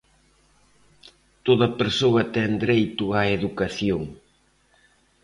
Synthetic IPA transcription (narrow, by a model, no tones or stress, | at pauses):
t̪oðɐpeɾsoɐt̪ɛŋd̪ɾejt̪ʊaeðukaθjoŋ